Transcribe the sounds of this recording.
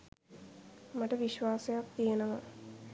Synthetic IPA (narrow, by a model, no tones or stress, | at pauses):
maʈəʋiʃʋaːsejak̚t̪ijenəʋa